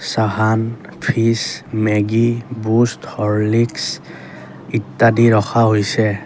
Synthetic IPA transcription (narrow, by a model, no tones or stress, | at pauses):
saɦan | pʰismɛɡibusthɔɹliks | itːadiɹɔxʰaɦojsɛ